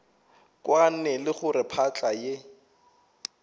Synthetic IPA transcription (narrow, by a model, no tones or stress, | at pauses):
kʼwan̩nɛlɪχʊrɪpʰat͡ɬʼaje